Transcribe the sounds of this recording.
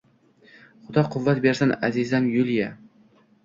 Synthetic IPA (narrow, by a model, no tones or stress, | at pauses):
χʊd̪ɒqʰʊvːat̪̚beɾsana̰zizanjʊlˠija